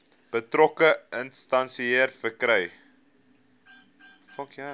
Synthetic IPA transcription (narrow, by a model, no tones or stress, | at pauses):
b̥ətɾɔkəənstɐnsieərfərkɾɛj | fɐkja